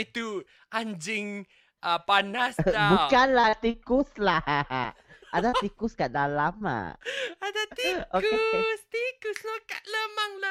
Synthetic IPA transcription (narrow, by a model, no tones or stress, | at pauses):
it̪u | ʔand͡ʒɪŋ | ʔəpanasabukanlaht̪ikuslaha̰ʔadat̪ikuskaʔdalama̰adat̪iokeest̪ikuslokaʔləmaŋla